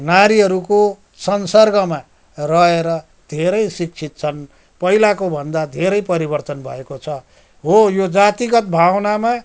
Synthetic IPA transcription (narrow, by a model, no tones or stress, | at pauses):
naɾiɦʌɾuko | sʌnsʌrɡʌma | rʌɦeɾʌ | d̪ʱeɾʌjsik̚t͡sʰit̪̚t͡sʰʌn | pʌilakobʱʌnd̪ad̪ʱeɾʌjpʌɾibʌrt̪ʌnbʱʌ̰ekot͡sʰʌ | ɦojod͡zat̪iɡʌt̪̚bʱawnama